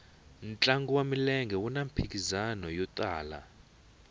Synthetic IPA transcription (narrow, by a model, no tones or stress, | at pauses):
nt͡ɬʼaŋɡuwamilɛŋɡʱɛwunam̩pʰik̬ʼizanɔjɔtʼaːla̰